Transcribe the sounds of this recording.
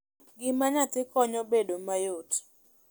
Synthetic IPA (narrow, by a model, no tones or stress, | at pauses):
ɡɪmaɲat̪ɪkɔɲɔbedomajot